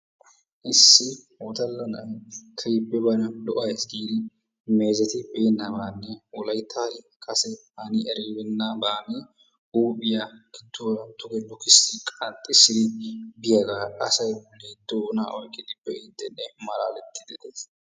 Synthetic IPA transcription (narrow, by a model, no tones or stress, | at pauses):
ʔɪsːɪ | wɔt̪ɐlːɐnɐʔɐkʰɐjbːɛbɐnɐlɔʔɐjsɡiːd̪ɪ | meːzɐt̪ɪbɛjnːabaːnːɛwɔlɐjt̪ʰːaːɾɪ | kʼɐsɛhanɪʔɛɾeːbɛnːabaːne | uːbɪjakɪt̪ːoːɾɐt̪ʊkɛlɔkɪsːɪkʼɐt̪ʼːɪsːɪd̪ɪbɪjɐɡaʔɐsɐjbʊleːd̪oːna̰ːʔɔjkʼːɪd̪ɪbːɛɪd̪ːɛnːɛmɐlaːlɛt̪ʰːɪd̪ɛd̪es